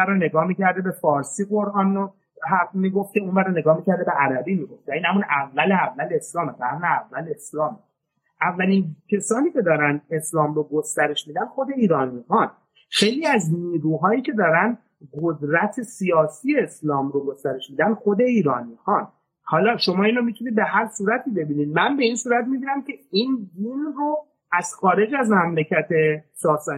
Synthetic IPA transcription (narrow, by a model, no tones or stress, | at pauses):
æɾone̞ɡɒːmiːcʰæɾd̪ebefɒːɾsiːɣo̞ɾʔɒːno | ɦæɾmiːɡo̞ft̪̚cʰe̞unbæɾone̞ɡɒːhmiːcʰæɾd̪e̞be̞ʔæɾæbiːmiːɡo̞ft̪æiːnhæmunævːæleævːæleslɒːmeɡæhæmneævːæle̞slɒːme | ʔævːælincʰe̞sɒːniːce̞d̪ɒːɾænd̪e̞slɒːmɾoɡost̪æɾe̞ʃmiːd̪ænxo̞d̪e̞iːɾɒːnmixɒn | xejliːæzniːɾuːɦɒːjiːcʰe̞d̪ɒːɾænd̪ | ɡod̪ɾæt̪ʰe̞sijɒːsiːje̞ːslɒːmɾoɡo̞st̪æɾe̞ʃmiːd̪ænd̪xo̞d̪e̞iːɾɒ̰ːnmixɒn | hɒːlɒːʃo̞mɒːinɾomit̪ʰunid̪̚be̞ɦæɾsuːɾæt̪ʰiːbe̞biːnid̪̚mænbe̞insuːɾæt̪̚miɡiɾæmcʰʲe̞ind̪inro | æz̥xɒːɾe̞d͡ʒæzmæmlecʰæt̪ʰe̞sɒːsɒ